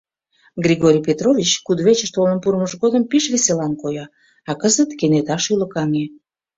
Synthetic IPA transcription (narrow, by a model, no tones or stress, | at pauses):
ɡrʲiɣoɾʲijpet̪rovʲit͡ɕkud̪βet͡ɕəʃt̪olənpuɾəməʒɣod̪əmpiʃβeselɑnkojɑ | ɑkəzət̪kenet̪ɑʃyləkɑŋe